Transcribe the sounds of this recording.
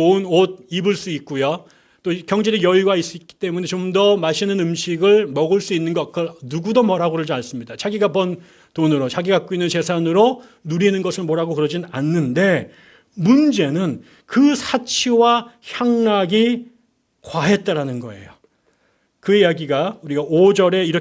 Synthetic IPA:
onod̚ibɯɭs͈uik̚k͈ujo | t͈okjʌŋd͡ʑeɾijʌiɡais͈uit̚k͈i̥t͈e̞mune̞t͡ɕomdʌmaɕʰinɯnɯmɕiɡɯɭmʌɡɯɭs͈uinːɯnɡʌkɯnuɡudomʌɾɦaɡoɾɯɭd͡ʑaɭs͈ɯmɲidat͡ɕʰaɡiɡabʌn | tonɯɾot͡ɕaɡiɡak͈̚oinːɯnt͡ɕe̞sʰanɯɾonuɾinɯnɡʌsʰɯɭmoɾɦaɡokɯɾʌd͡ʑinna̰nːɯnde̞ | mund͡ʑe̞nɯn | kɯsʰat͡ɕʰiwaçjaŋnaɡi | kwaɦe̞t̚t͈aɾanɯnɡʌe̞̰jo | kɯijaɡiɡauɾiɡaod͡ʑʌɾe̞iɾʌ

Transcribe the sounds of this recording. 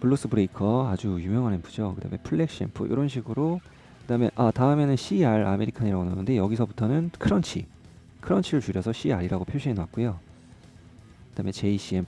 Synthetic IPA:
puɭːos͈ɯbɯɾeikʰʌad͡ʑujumjʌŋɦanenpʰud͡ʑokɯda̰me̞pʰuɭːe̞k̚ɕ͈ḛmpʰɯ̰ʔḭɾʌnɕ̬ʰiɡɯɾo | kɯdame̞̰ʔataɯme̞nɯnɕʰiaɾa̰me̞ɾikʰaɲiɾaɡonanɯnde̞jʌɡisʰʌbutʰʌnɯnkʰɯɾʌnt͡ɕʰḭ | kʰɯɾʌnt͡ɕʰiɾɯɭt͡ɕuɾjʌsʰʌɕʰiaɾiɾaɡopʰjoɕʰiɦenaak̚k͈ojo | kɯd̥ame̞t͡ɕe̞iɕ͈ie

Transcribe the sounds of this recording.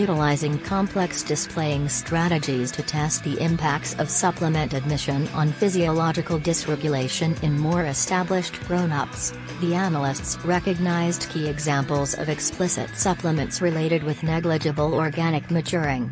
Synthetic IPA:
jʉɾəlaɪzɪ̃ŋkʰɑ̃mpʰl̥ɛksd̥ɨspʰl̥eɪɪ̃ŋstʰɹ̥æɾɨd͡ʒiz̥tʰɨtʰɛst̪̚ðiʔɪ̃mpʰæk̚tsʌv̥sʌpʰləmɨ̃ntɨd̚mɪʃɨ̃nə̃nfɪziəlɑd͡ʒɨkl̩ˠdɨsɹɛɡjɨleɪʃɨ̃nɨ̃nmɔɹɨstʰæblɪʃɡ̥ɹõʊ̃nʌps | ðiænl̩ˠɪstsɹɛkɨɡ̚naɪzdkʰiɨɡzæ̃mpl̩ˠzʌ̰vɨkspʰlɪsɨ̰tsʌpləmɨ̃ntsɹɨleɪɾɨd̚wɨðnɛɡlɨd͡ʒɨbl̩ˠɔɹɡænɨk̚mɨt͡ʃʰʊɹɪ̃ŋ

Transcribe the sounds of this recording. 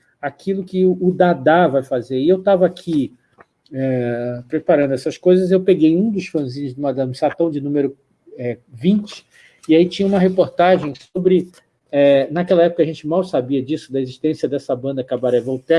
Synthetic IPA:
akʰilʊkɪʊd̪ad̪avajfazeɾɪewt̪avɐakʰi | ɛpɾepaɾɐ̃nd̪ʊɛsɐskojzɐzewpeɡejũd̪ʊsfɐ̃zĩɲʊzd̪ʊmad̪ɐ̃mɪsat̪ɐ̃w̃d͡ʒɪnũmeɾʊ | ɛvĩt͡ʃɪ̥ | ɪait͡ʃĩɲɐũmɐɦepoɾt̪aʒẽj̃sobɾɪ | ɛnakɛlɐɛpʊkɐʒẽnt͡ʃɪmawsabiɐd͡ʒisʊd̪ɐeziʃt̪ẽsiɐd̪ɛsɐbɐ̃nd̪ɐkɪabaɾɛvowt̪ɛ

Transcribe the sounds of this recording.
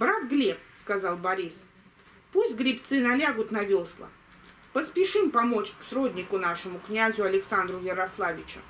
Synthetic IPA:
bɾat̪ɡlʲep̚skɐzalˠbɐɾʲis | pusʲtʲɡɾʲɪpt̪sɨnɐlʲaɡʊt̪nɐvʲo̞slˠə̰ | pəspʲɪʂɨmpɐmo̞t͡ɕsɾodʲnʲɪkʊnaʂɨmʊknʲazʲʊɐlʲɪksand̪ɾʊjəɾɐslˠavʲɪt͡ɕʊ̰

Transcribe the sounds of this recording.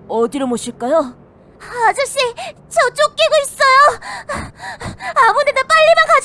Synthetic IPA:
ʌdiɾomoɕʰiɭk͈ajo | ad͡ʑʌɕ͈i | t͡ɕʰʌt͡ɕ͈ok͈iɡois͈ʌjo | amunedap͈aʎːimankad͡ʑ

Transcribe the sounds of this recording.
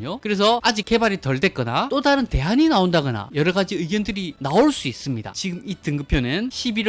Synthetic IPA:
ɲokɯɾe̞s̬ʰʌad͡ʑik͈̚e̞baɾitʌɭde̞k͈ʌnat͈odaɾɯnte̞ɦaɲinaondaɡʌna̰jʌɾʌɡad͡ʑiɯiɡjʌndɯɾinaoɭs͈uis͈ɯmɲida̰t͡ɕiɡɯmitɯŋɡɯpʰjonɯnɕʰibiɾ

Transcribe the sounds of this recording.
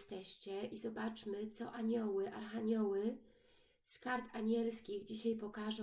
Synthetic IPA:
st̪ɛɕt͡ɕɛizɔbat͡ʂmɘt̪sɔʔaɲɔwɘʔaɾxaɲɔwɘ | skaɾt̪aɲɛlskʲiɣd͡ʑiɕajpɔkaʐɔ̃

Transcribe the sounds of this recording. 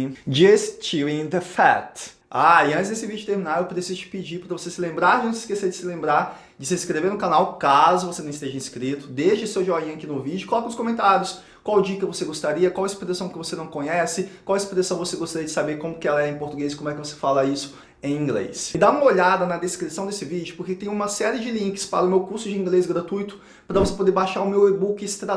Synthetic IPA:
d͡ʒist͡ʃiĩd̪ɐfa̰t̪ | aɪɐ̃t͡ʃɪzd̪esɪvid͡ʒʊt̪eɾmĩnaɾewpɾesizʊt͡ʃɪ̥pid͡ʒipɾɐvosesɪlẽmbɾaʒɐ̃sɪskeseɾd͡ʒɪsɪlẽmbɾaɾ | d͡ʒɪsɪĩskɾeveɾnʊkanawkazʊvosenɐ̃st̪eʒɐĩskɾit̪ʊ̥d̪eʃɐsewʒɔĩakinʊvid͡ʒʊkolɔkɐ̃ʊ̃skõmẽnt̪aɾjʊs | kwawd͡ʒikɐvoseɡost̪aɾiɐkwawespɾesɐ̃w̃kɪvosenɐ̃w̃kõɲɛsɪkwawespɾesɐ̃w̃voseɡost̪aɾiɐd͡ʒɪsabeɾkõmʊkɪɛlɐɛẽpoɾt̪uɡez̬ɪkõmʊɛkɪvose̥falɐisʊ̥ | ẽj̃ĩɡlḛsɪd̪aũmɐoʎad̪ɐnɐd̪eskɾisɐ̃w̃d̪esɪvid͡ʒʊpoɾket̪ẽjʊ̃ũmɐsɛɾiɪd͡ʒɪlĩŋkɪ̥spa̰ɾɐʊmewkuɾsʊd͡ʒɪĩɡlesɡɾat̪ujt̪ʊ̥ | pɾɐvose̥pod̪eɾbaʃaɾʊmewebukɪst̪ɾa

